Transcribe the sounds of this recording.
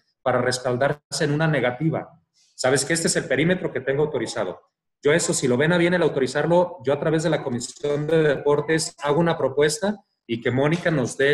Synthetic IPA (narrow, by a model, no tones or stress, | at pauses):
paɾare̞spald̪aɾse̞nũnane̞ɣat̪iβa̰ | saβ̞e̞skeest̪eese̞lpe̞ɾime̞t̪ɾo̞ke̞t̪e̞ŋɡoawt̪o̞ɾisað̞o̞̰ | ɟ͡ʝo̞e̞so̞silo̞βe̞naβ̞je̞ne̞lawt̪o̞ɾisaɾlo̞ɟ͡ʝo̞at̪ɾaβe̞zðe̞lako̞misjo̞nd̪e̞ðepo̞ɾt̪e̞saɣounapɾo̞pwe̞st̪a | ike̞mõ̞nikano̞zðe̞